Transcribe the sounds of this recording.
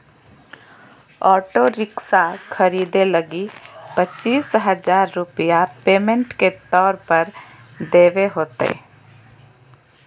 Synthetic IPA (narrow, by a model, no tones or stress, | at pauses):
ɔːʈoɾɪksakʰəɾiːd̪eləɡipətːt͡ʃiːsɦəd͡ʒaːɾːʊpijapeːmẽɳʈket̪ɔːɾpəɾ | d̪eːʋeɦoːt̪ḛ